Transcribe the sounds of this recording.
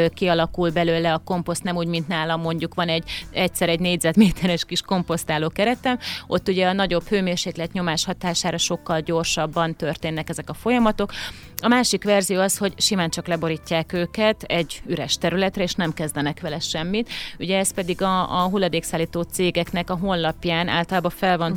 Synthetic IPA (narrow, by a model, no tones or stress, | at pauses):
kiɒlɒkulbɛløːlɛɒko̞mpo̞st̪nɛmuːɟmint̪naːlɒmːo̞ɲɟukʋɒnɛɟɛcsɛɾɛɟneːɟzɛd̪meːt̪ʰɛɾɛʃkiʃko̞mpo̞st̪aːloːkɛɾɛt̪ɛmʔo̞t̪ːuɟɛɒnɒɟo̞bføːmeːrʃeːklɛt̪ɲo̞maːʃhɒt̪aːʃaːɾɒʃo̞kːɒlɟo̞rʃɒbːɒnt̪ørt̪eːnːɛkɛzɛkɒfo̞jɒmɒt̪o̞k | ɒmaːʃikʋɛrzijoːɒsho̞ɟʃimaːnt͡ʃɒklɛbo̞ɾicːaːkøːkɛt̪ɛɟːyɾɛʃt̪ɛɾylɛt̪rɛeːʃnɛmkɛzd̪ɛnɛkʋɛlɛʃɛmːit̪uɟɛɛst̪pɛd̪iɡɒːɦulːɒd̪eːksaːlːiːt̪oːt̪seːɡɛkn̪ɛkɒɦo̞nlɒpjaːnʔa̰ːlt̪ɒlaːbɒfɛlvɒn